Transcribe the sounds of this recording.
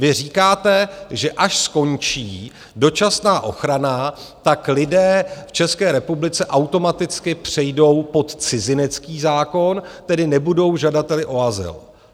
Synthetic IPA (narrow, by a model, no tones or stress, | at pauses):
vɪr̝iːkaːt̪ɛʒɛʔaʃsko̞nt͡ʃiː | do̞t͡ʃasnaːʔo̞̰xɾanat̪aklɪdɛːft͡ʃɛskɛːɾɛpublɪt͡sɛʔawt̪o̞mat̪ɪt͡skɪpr̝̥ɛjdo̞wpo̞t̪t͡sɪzɪnɛt͡skiːzaːko̞nt̪ɛdɪnɛbudo̞wʒadat̪ɛlɪʔo̞azɪ̰l